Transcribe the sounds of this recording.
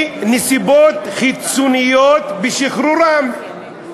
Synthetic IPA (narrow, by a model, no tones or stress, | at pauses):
nisibot̪χit͡sunijot̪beʃiχɾuɾam